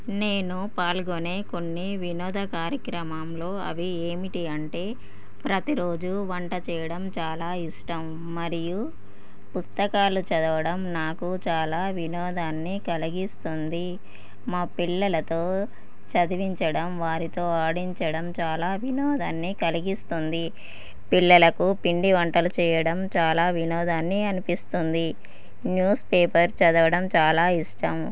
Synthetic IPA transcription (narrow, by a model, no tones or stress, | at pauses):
ne̞ːnupaːlɡoneːko̞nːiʋinɔːd̪ʱɐkaːɾjɐkɾɐmamlo̞ːɐ̰ʋi | e̞ːmiʈiɐɳʈe̞ː | pɾɐt̪iɾo̞ːd͡ʒuʋɐɳʈɐt͡ʃɛːjɐɽɐmt͡ʃaːlaːiʂʈɐmː | ɐɾiju | pust̪ɐkaːlut͡ʃɐd̪ɐʋɐɽɐmnaːkut͡ʃaːlaːʋinɔːd̪aːnːiːkɐliɡist̪und̪i | maːpilːɐlɐt̪oː | t͡ʃɐd̪iʋiɲt͡ʃɐɽɐmʋaːɾit̪o̞ːaːɽiɲt͡ʃɐɽɐmt͡ʃaːlaːʋinɔːd̪ɐːnːiːkɐliɡist̪und̪i | pilːɐlɐkupiɳɖiʋɐɳʈɐlut͡ʃɛːjɐɽɐmt͡ʃaːlaːʋinɔːd̪aːnːiɐnipist̪und̪i | njuːspeːpɐɾt͡ʃɐd̪ɐʋɐɽɐmt͡ʃaːlaːiʂʈɐm